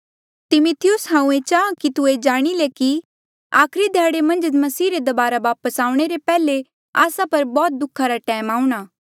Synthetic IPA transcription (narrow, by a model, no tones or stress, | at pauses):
t̪ɪmʊt̪ʰɪjʊsɦãːũet͡ʃaːãkit̪ued͡ʒaːɽ̃ileki | aːkʰɾid̪ʱjaːɽemɐ̃nd͡ʒmɐsiːɾed̪ɐbaːɾaʋaːpəsaːũɽ̃eɾepɛːle | aːsapɐɾbɔːt̪̚d̪ʊkʰːaɾaʈɛːmaːuɽ̃aː